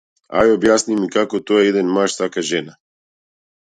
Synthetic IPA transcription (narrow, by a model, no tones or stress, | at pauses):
a̰jobjaːsnimikakot̪ojejed̪ənmaʃsakaʒena